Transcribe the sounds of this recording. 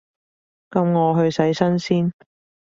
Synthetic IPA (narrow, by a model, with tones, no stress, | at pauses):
kɐ˨˧mŋɔː˨˧ɦɵ˧ɥsɐ˨˥jsɐ˥nsiː˥n